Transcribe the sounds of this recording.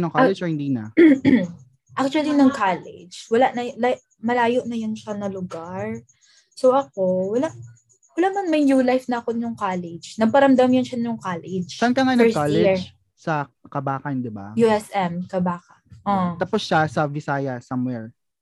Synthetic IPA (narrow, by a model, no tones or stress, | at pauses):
noŋkalɛd͡ʒɔhɪnd̪iːnɐ̰ | ʔak̚t͡ʃʊɐlinɐŋkalɛ̰d͡ʒwɐlaʔnɐla | mɐlaːjoʔnɐjʊnʃanɐlʊɡaɹ | soʔɐk̚o̞wɐlaʔ | wɐlaːʔmɐnmɐjnjulajfnɐʔɐkonʊŋkaːlɛd͡ʒnɐɡ̚pɐɾɐmd̪amjʊnʃɐnʊŋkalɛd͡ʒsankɐŋajnɐkalɛɹd͡ʒ | sɐ | kɐbaːkɐnd̪ɪba̰juɛsʔɛmkɐbaːkɐnʔot̪aposʃasɐvɪsaːjɐsɐmwɛɹ